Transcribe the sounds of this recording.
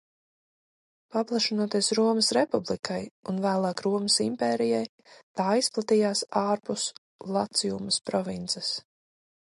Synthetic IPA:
paplˠaʃinuɔt̪iːsɾuɔməsɾepublˠikʰajunvæːlˠɑːkɾuɔməsimpɛːɾijaj | t̪aːisplˠat̪iːjaːsaːɾpus | lˠat̪sijumɐspɾɔvint̪sɛs

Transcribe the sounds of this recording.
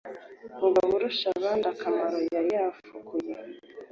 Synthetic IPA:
uβaβuɾuʃaβaːndakamaɾojajafukʰuja

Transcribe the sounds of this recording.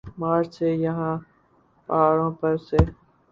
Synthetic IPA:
maːɾsejɐɦãː | paːɾõːpɐɾse

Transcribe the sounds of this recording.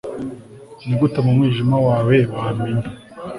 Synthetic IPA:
niɡutamumŋiːʒimawaːweβahaminda

